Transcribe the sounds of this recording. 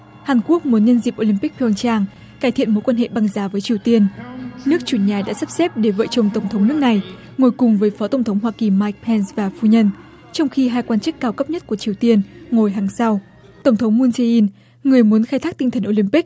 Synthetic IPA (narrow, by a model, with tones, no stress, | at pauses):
haː˨˩nku˦˥ək̚mu˨˦ənɲə˧nzḭ˨˩p̚ʔo˧lï˧mpi˦˥k̚pʰɔ˧ŋt͡ɕaː˧ŋ | kaː˧˩jt̪ʰḭ˧˨ənmo̰˧˥jkwa˧nhḛ˧˨ɓa˧ŋzaː˨˦vəː˨˦jt͡ɕi˨˩əwt̪i˧ənnɨ˦˥ək̚t͡ɕu˧˩ɲaː˨˩ɗa̰ː˧˥sa˦˥p̚sɛ˦˥p̚ɗe˧˩və̰ː˧˨t͡ɕə˨˩wŋ͡mt̪ə˨˩wŋ͡mt̪ʰə˨˦wŋ͡mnɨ˦˥ək̚na˨˩j | ŋo˨˩jkʊ˨˩ŋ͡mvəː˨˦jfɔ˨˦t̪ə˨˩wŋ͡mt̪ʰə˨˦wŋ͡mɦwaː˧ki˨˩maː˧˩jk̚pʰɛ˧nsvaː˨˩fu˧˩ɲə˧n | t͡ɕɔ˧wŋ͡mxi˧ɦaː˧jkwaː˧nt͡ɕɨ˦˥kːaː˧wkə˦˥p̚ɲə˦˥t̚ku˧˩ət͡ɕi˨˩əwt̪i˧ənŋo˨˩jɦaː˨˩ŋsa˧w | t̪ə˧˩ŋ͡mt̪ʰə˨˦ŋ͡mmu˧nse˧ʔi˧n | ŋɨ˨˩əjmu˨˦ənxaː˧jt̪ʰaː˦˥k̪̚i˧ŋ̟t̪ʰə˨˩nʔo˧lï˧mpi˦˥k̚